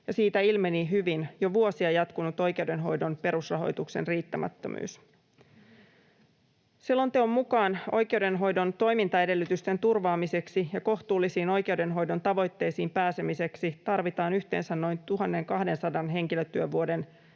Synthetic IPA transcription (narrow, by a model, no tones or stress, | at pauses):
jɑsiːt̪æilmeniɦyʋinjo̞ʋuo̞siejɑt̪kunut̪o̞jke̞uwde̞nɦo̞̰jdo̞npe̞ɾusrɑɦo̞̰jt̪ukse̞̰nriːt̪ːæmæ̰t̪ːø̰my̰ːs | silːo̞nt̪eomːukɑːno̞̰jk̟e̞wde̞nɦo̞jdo̞nt̪o̞jmint̪ɑe̞de̞lːyt̪yst̪e̞nt̪urʋɑːmise̞ksijɑko̞ht̪uːlːisiːno̞jke̞uwde̞nɦo̞jdo̞nt̪ɑʋo̞jt̪ːe̞jsiːmpæːse̞mise̞ksit̪ɑrʋit̪ɑːnyçt̪e̞̰ːnsænno̞jnt̪uɦɑnːe̞ŋkɑhde̞nsɑdɑnɦe̞ŋkiløt̪ːyøʋuode̞n